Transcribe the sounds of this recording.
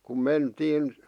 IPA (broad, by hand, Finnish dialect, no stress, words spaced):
kum mentiːn